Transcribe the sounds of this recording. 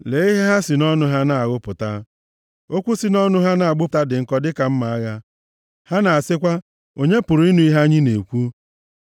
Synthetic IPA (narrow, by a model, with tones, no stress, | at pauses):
le˨i˦ɦe˦ɦa˦si˨nɔ˦nʊ˦ɦa˦na˨a˨ɣʊ˦pʊ˨ta˦ | o˦kʷu˦si˨nɔ˦nʊ˦ɦa˦na˨a˨ɡ͡bʊ˦˨ta˦dɪ˨ŋ̩˦kɔ˦dɪ˦ka˨m̩˦ma˨a˦ɣa˦ | ha˦na˨a˨sɪ˦kʷa˦ | o˨ɲe˦pʊ˨ɾʊ˨˦i˦nu˨˦i˦ɦa˦ɲi˦ne˨kʷu˦